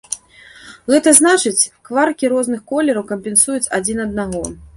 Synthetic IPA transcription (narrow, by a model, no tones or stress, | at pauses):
ɣɛt̪ɐznat͡ʂɨt͡sʲkvarkʲiɾɔznɨxkɔlʲɛɾɐwkɐmʲpʲɛnsujut͡sʲad͡zʲinɐd̪̚naɣɔ